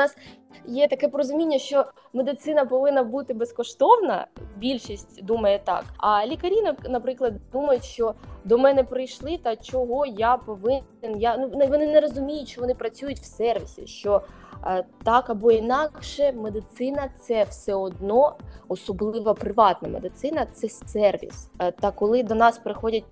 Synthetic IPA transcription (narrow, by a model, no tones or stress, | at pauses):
nɑs | jɛt̪ɐkɛpɔɾɔzʊmʲinʲːɐʃt͡ʃɔ | med̪ɪt̪sɪnɐpɔʋɪnːɐbut̪ɪbeskɔʃt̪ɔwnɐ̰bʲilʲʃisʲtʲd̪umɐjɛt̪ɑ̰kɐlʲikɐɾʲinɐnɐpɾɪklˠɐd̪d̪umɐjʊtʲʃt͡ʃɔd̪ɔmɛnɛpɾɪjʃlˠɪt̪ɑt͡ʃɔɦɔjapɔʋɪɪnjanunʋɔnɪnɛɾɔzʊmʲijʊtʲʃt͡ʃɔʋɔnɪpɾɐt͡sʲujʊtʲw̥sɛrʋʲisʲḭʃt͡ʃɔ | t̪ɑkɐbɔinɑkʃɛmed̪ɪt̪sɪnɐt̪sɛwsɛɔd̪̚nɔɔsɔblˠɪʋɐpɾɪʋɑt̪nɐmed̪ɪt̪sɪnɐt̪sɛsɛrʋʲḭst̪ɐkɔlˠɪd̪ɔnɑspɾɪxɔdʲɐt̚ʲ